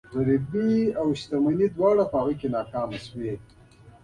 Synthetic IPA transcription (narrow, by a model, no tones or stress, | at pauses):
ɣaɾibiawʃt̪amanid̪wɑːɽapəaɣujkenɑːkɑːmaswe